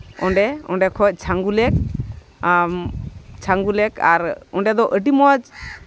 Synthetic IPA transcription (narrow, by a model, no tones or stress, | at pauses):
ɔɳɖɛɔɳɖɛkʰɔc̚ˀt͡ʃʰaŋɡulɛk̚ | t͡ʃʰaŋɡulɛka̰ɾɔɳɖɛd̪ɔʔəʈimɔd͡ʒ